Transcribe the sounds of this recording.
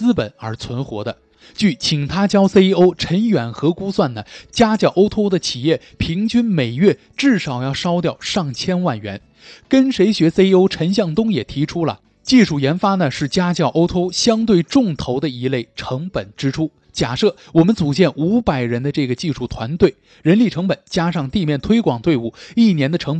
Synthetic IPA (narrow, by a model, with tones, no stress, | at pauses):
t͡sɹ̩˥pə˨˩˦nə˞˧˥t͡sʰwə˧˥nxwɔ̰˧˥d̪ə˧ | t͡ɕy˥˩t͡ɕʰi˨˩ŋt̪ʰa˥t͡ɕjɑ˥ʊse˥ɪo˥ʊʈ͡ʂʰə˧˥nɥɛ˨˩nxɤ˧˥ku˥swa˥˩nnə˩t͡ɕja˥t͡ɕjɑ˥˩ʔo˥ʊt̪ʰo˥ʊd̪ə˨t͡ɕʰi˨˩jɛ˥˩ | pʰi˧˥ŋt͡ɕy˥nme˨˩ɪɥɛ˥˩ | ʈ͡ʂɻ̩˥˩ʂɑ˨˩ʊjɑ˥˩ʊʂɑ˥ʊt̪jɑ˥˧˩ʊʂɑ˥˩ŋt͡ɕʰjɛ˥nwa˥˩nɥɛ̰˧˥n | kə˥nʂe˧˥ɪɕɥɛ˧˥se˥ɪo˥ʊʈ͡ʂʰə˧˥nɕjɑ˥˩ŋt̪ʊ˥ŋjɛ˨˩t̪ʰi˧˥ʈ͡ʂʰu˥lə̰˨ | t͡ɕi˥˧ʂu˥˩jɛ˧˥nfa˥nə˨ʂɻ̩˥˩t͡ɕja˥t͡ɕjɑ˥˩ʊʔo˥ʊt̪ʰo˥ʊɕjɑ˥ŋt̪we˥˩ɪʈ͡ʂʊ˥˩ŋt̪ʰo˧˥ʊd̪ə˧i˧˥le˥˩ɪʈ͡ʂʰɤ˧˥ŋpə˨˩nʈ͡ʂɻ̩˥ʈ͡ʂʰu˥ | t͡ɕja˨˩ʂɤ˥˩wɔ˨˩mə˦nt͡su˨˩t͡ɕjɛ˥˩nʔu˧˥pa˨˩ɪɻə˧˥nd̪ə˧ʈ͡ʂɤ˥˩ɡə˩t͡ɕi˥˧ʂu˥˩t̪ʰwa˧˥nt̪we˥˩ɪ | ɻə˧˥nli˥˩ʈ͡ʂʰɤ˧˥ŋpə˨˩nt͡ɕja˥ʂɑ˥˧ŋt̪i˥˧mjɛ˥˩nt̪ʰwe˥ɪkwɑ˨˩ŋt̪we˥˧ɪu˥˩i˥˩njɛ˧˥nd̪ə˧ʈ͡ʂʰɤ˧˥ŋp